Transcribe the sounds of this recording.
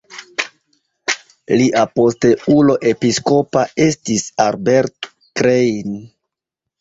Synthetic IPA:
liʔapo̞ste̞ulo̞ʔe̞pisko̞pae̞stisaɾbe̞ɾt | kɾejn

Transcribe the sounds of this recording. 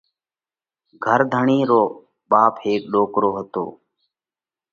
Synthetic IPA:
ɡʱəɾd̪ʱəɳiːɾoː | ɓaːpheːk̚ɗoːkɾoːɦət̪o̰ː

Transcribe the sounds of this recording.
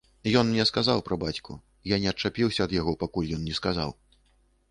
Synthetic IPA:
jɔnnʲɛskazawpɾɐbat͡sʲkṵ | janʲɛɐt͡ʂapʲiwsʲɐːd̪jaɣɔpakulʲjɔnnʲɛskaza̰w

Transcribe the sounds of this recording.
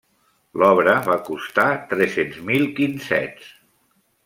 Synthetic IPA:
lɔβɾəβakust̪at̪ɾɛsenzmilˠkinsɛ̰t͡s

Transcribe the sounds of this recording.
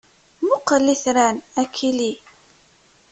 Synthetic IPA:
mʊqːəlːiθɾænækʰːili

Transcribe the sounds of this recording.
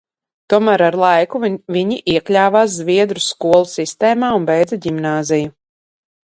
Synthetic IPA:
t̪uɔmæɾaɾlˠajkuviɲiʔiɛklʲaːvaːs̬zviɛd̪ɾuskuɔlˠusist̪ɛːmaːunbɛjd̪zaɟimnaːziju

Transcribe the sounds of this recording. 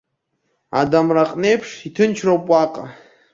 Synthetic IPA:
a̰damraqʼne̞jpʰʂitʰɨnt͡ʃʰropʼwaqʼa

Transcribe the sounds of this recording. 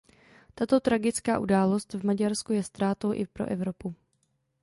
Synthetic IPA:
t̪at̪o̞t̪ɾaɡɪt͡ska̰ːʔudaːlo̞st̪vmaɟaɾskujɛst̪ɾaːt̪o̞wʔɪ̰pɾoʔɛvɾo̞pu

